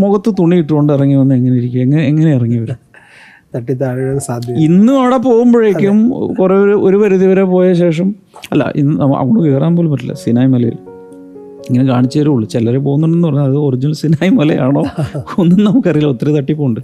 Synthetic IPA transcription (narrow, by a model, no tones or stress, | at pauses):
moɣɐt̪ːɨt̪uɳːijiʈːɨɣo̞ɳɖɨirɐŋːiʋɐnːɨeŋːɐneiɾikʲːumeŋːɐneŋːɐne̞irɐŋːijɐʋɐɾum | t̪ɐʈːit̪ːaːɳɐnːsaːd̪ʱjɐinːɨɐɽepo̞ːɣumbɐɻekʲːumkureːoɾuoɾuʋɐɾuðiʋɐɾepo̞ːjɐɕe̞ːʂɐm | ɐ̰lːa̰ʔḭnːɨɐmɐ̰oɳɖɨkeːraːnmboːlumːɐʈ̬ːilːɐ̰sinaːjmɐlɐjḭl | iŋːɐnekaːɳit͡ɕːɐʋɐɾuuɭːut͡ɕelːɐɾep̬oːɣunːoɳɖenːɨpɐrɐɲːuɐðɨorid͡ʑinɐlsinaːjimɐlɐ̰jaːɳo̞ːonːumnɐmukːɐrijilo̞t̪ːret̪ɐʈːipːoːuɳɖɨ